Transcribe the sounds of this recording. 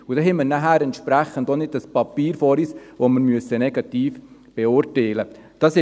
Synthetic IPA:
ʊd̥ɛɦɛməɾnæɦæːɾɛntʃpɾæχəndonɪd̚dɑspɑpiːɾfɔːɾisʋoməɾmyəsənɛɡɑtiːfb̥ɛʊɾteːləd̥ɑsɪ

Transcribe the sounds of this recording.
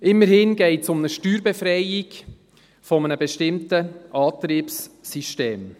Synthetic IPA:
ʔɪmːəɾhɪnɡɛɪtsʊmnəʃtyːɾbɛfɾɛɪɪɡ | fɔmənəbɛʃtɪmtəʔɑːtɾiːpsːiʃteːm

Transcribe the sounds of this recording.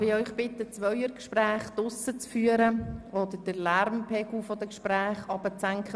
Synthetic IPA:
ɾɪœʏχb̥ɪtːət͡sʋœjəɾkʃpɾæːχd̥̪ʊsət͡sfyːəɾəɔd̪əɾd̥əlæɾmpʰɛɡ̥l̩fɔd̪əkʃpɾæːχɑb̥ət͡sæŋkχə

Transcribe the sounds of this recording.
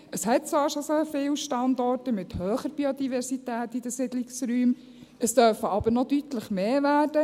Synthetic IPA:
əshɛt̚t͡sʋɑːɾʃosefɪːwʃtɑndɔrtəmɪthœːχəɾb̥iod̪ivɛɾsitæːtid̥əsɪdlɪksɾyːm | əstœɾfəɑb̥əɾnɔd̥ytləχmeːvæːrd̥ə

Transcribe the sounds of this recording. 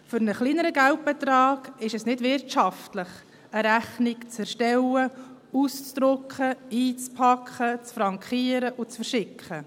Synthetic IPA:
fʏɾnəχliːnəɾəɡælt̚b̥ɛt̪ɾɑːɡ̥ɪʃɛsnɪdvɪɾtʃɑftlɪχ | əɾæχnɪkt͡sɛɾʃtɛlə | ust͡sd̪̥ɾʊkχəiːt͡spʰɑkʰχət͡sfɾɑŋkχiːəɾəʔʊt͡sfəɾʃɪkχə

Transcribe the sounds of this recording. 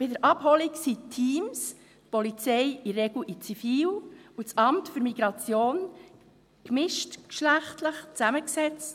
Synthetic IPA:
pɪdəɾʔɑphɔliksitʰːiːms | tpɔlit͡sɛɪirɛɡl̩ʔit͡sifiːlut͡sɑmtfʏɾmiɡ̥ɾɑt͡sjoːn | kmɪʃtkʃlæχtləχt͡sæməksɛt͡st

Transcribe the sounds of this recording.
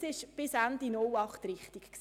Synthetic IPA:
sɪʃb̥ɪsændinʊlɑχtɾɪχtikks

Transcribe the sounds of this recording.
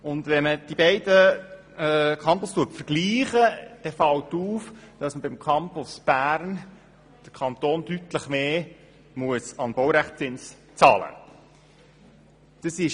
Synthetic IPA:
ʊnd̪vɛnməd̥ibɛɪd̥ə | ɛkʰɑmpʊstuəpfəɾɡ̥liːχəd̥ɛfɑltuːfd̥ɑsməbimkʰɑmpʊsb̥æːɾn | d̥əɾkʰɑnt̪oːnd̥ytləχmeː | muəsɑnb̥ɔwɾæχtt͡sɪns | t͡sɑːlə̰ | d̥əsɪʃ

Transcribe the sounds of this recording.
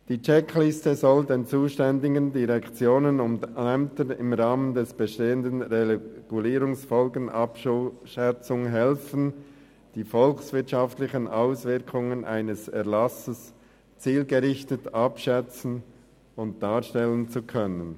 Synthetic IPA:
d̥iːt͡ʃɛkʰlɪstəzɔldeːnt͡suːʃtɛndɪɡəndiʁɛkt͡sjoːnənʊmdɛmtənɪmʁaːməndɛsb̥əʃteːəndənʁeɡ̥uliːɾʊŋsfɔlɡən̩ʔɑpʃɛt͡sʊŋɦɛlfn̩ | d̥iːfɔlksvɪɐtʃɑftlɪçənʔaʊsvɪɾkʰʊŋənʔa̰ɪnəsɛɐlɑsəs | t͡siːlɡəʁɪçtətɑpʃɛt͡sn̩ | ʊnt̚d̥aːʃtɛlənt͡sukʰœnən

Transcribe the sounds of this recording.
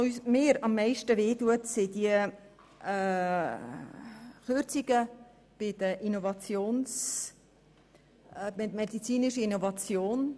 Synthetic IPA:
ysmɪːɾɑmːɛɪʃtəʋeːtuətsɪdiə | χøɾt͡siɡ̥ə | b̥ɪd̥̪əʔinovɑt͡sjoːns | ɛmɛdit͡siːnɪʃəinovɑt͡sjoːn

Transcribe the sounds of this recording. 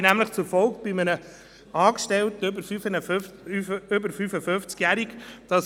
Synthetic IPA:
næmləχt͡sʊɾfɔlkb̥ɪmənə | ɑːkʃtɛltbəfyfən | ʏbəɾfyfəføft͡skjæɾikd̥ɑs

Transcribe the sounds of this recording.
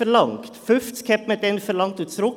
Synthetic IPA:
əɾlɑŋkt̪fʉft̪skʰɛpmət̪ɛnfɔɾlɑŋt̪ʉːt̪sɾʊ

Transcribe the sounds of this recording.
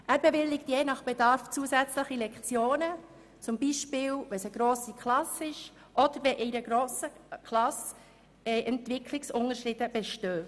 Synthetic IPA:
ʔæːɾbeʋɪlːɪktjeːnɑχb̥edɑɾft͡suəsæt͡sləχilɛkt͡sjoːnə | t͡sʊmbiʃpɪːwʋɛsəɡ̥ɾoːsikχlɑsɪʃ | ʔɔd̥̪əɾʋɛʔɛjɾəɡɾoːsəkʰlɑs | ɛʔɛntʋɪkʰlɪksʊnəɾʃrɪd̥əb̥ɛʃtøː

